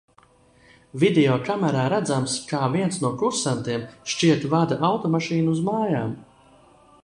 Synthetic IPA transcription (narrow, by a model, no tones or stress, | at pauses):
vid̪ɛɔːkamɛɾaːɾæd̪zamskaːviɛnsnuɔkɾusant̪iɛmʃt͡ʃiɛt̪vad̪aʔawt̪ɔmaʃiːnuuzmaːjaːm